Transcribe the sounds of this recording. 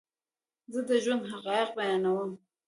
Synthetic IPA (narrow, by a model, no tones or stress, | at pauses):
zəd̪əʒwand̪ɦaqɑːjɪq̚bajɑnawəm